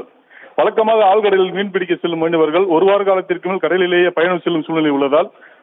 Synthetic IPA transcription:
ʋɐɭɐkːɐmaːɣɐaːɭkɐɽɐjlɪlʋiːɳpɪɽɪk̬ːɐsɛlːɯmʋɐːnɐʋɐɾɣɐɭɔɾɯʋaːɾkaːlɐt̪ːɪrkɯmɪlkɐɽɐjlɪleːjɐpɐjɐɳɯmsɛlːɯmsuːnɪlɐɪʊɭːɐðaːl

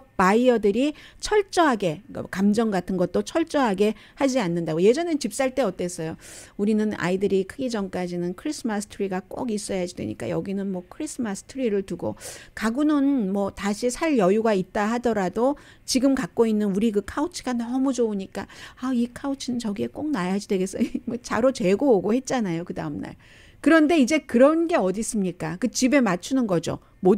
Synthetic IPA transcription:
paiʌdɯɾit͡ɕʰʌɭt͡ɕ͈ʌɦaɡe̞ʌ̰kamd͡ʑʌŋɡatʰɯnɡʌt̚t͈ot͡ɕʰʌɭt͡ɕ͈ʌɦaɡe̞ | had͡ʑianːɯndaɡoje̞d͡ʑʌnet͡ɕip̚s͈aɭt͈e̞ʌt͈e̞s͈ʌjouɾinɯna̰idɯɾikʰɯɡid͡ʑʌmk͈ad͡ʑinɯnkʰɯɾisʰɯmasʰɯ̥tʰɯɾiɡak͈o̰ɡis͈ʌjad͡ʑidwḛɲḭk͈a̰jʌ̰ɡinɯnmwʌkʰɯɾisʰɯmas͈ʰɯ̥tʰɯɾiɾɯɭtuɡo̰kaɡunɯnmʌtaɕʰisʰaɭjʌjuɡait̚t͈aɦadʌɾado | t͡ɕiɡɯmkak̚k͈oinːɯnuɾikɯkʰaut͡ɕʰi̥ɡ̥anʌmud͡ʑouɲik͈aaikʰaut͡ɕʰinɯnt͡ɕʌɡie̞k͈ok̚najad͡ʑidwe̞ɡe̞s͈ʌmʌt͡ɕaɾot͡ɕe̞ɡooɡohe̞t̚t͡ɕ͈anajokɯdaɯmna̰ɭ | kɯɾʌnde̞id͡ʑe̞kɯɾʌnɡe̞ʌdis͈ɯmɲik͈akɯt͡ɕibe̞mat͡ɕʰunɯnɡʌd͡ʑo̰ | mo

